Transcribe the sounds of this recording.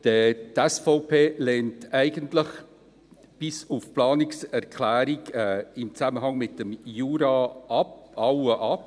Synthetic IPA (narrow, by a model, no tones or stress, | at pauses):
d̥ətɛsfɔʊpeːlɛntæɪɡəntləχ | b̥ɪsʊfplɑːnɪksɛɾkʰlæːɾɪɡɛɪmt͡saməhɑŋmɪt̚d̥əmjuːɾɑːʔɑpɑʊəʔɑp